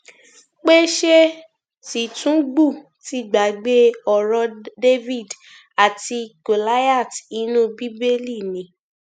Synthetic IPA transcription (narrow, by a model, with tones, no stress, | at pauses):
k͡pe˦ʃe˦ | si˨tũ˦ɡ͡bu˦˨ | ti˦˨ɡ͡ba˨ɡ͡be˦ɔ˨ɾɔ˧de˦vi˦˨d | a˨ti˧ɡo˨la˦ja˦˨ti˨˦nũ˦bi˦be˦li˦˨nĩ˨˦